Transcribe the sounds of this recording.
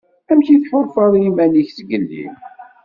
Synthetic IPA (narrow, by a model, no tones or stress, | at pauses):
æmçiθħoɾˤfɑðˤjimæniçθəɡəlːḭm